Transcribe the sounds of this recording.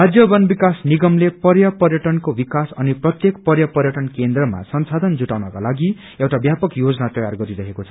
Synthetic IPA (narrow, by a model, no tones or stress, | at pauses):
ad͡zjʌbʌnbikasniɡʌmlepʌrjʌpʌrjʌʈʌnkobikasʌniprʌt̪jekpʌrjʌpʌrjʌʈʌnkend̪rʌma̰sʌnsad̪ʱʌnd͡zuʈawnʌkalaɡi | ewʈabjapʌkjod͡zʌnat̪ʌjarɡʌɾiɾʌɦekot͡sʰʌ̥